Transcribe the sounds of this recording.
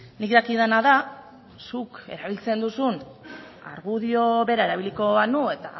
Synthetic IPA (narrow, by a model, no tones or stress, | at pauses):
nikd̪akiðanaða | suke̞̰ɾaβilt͡se̞nd̪usun | a̰ɾɣuðio̞βe̞ɾae̞ɾaβ̞iliko̞anue̞t̪a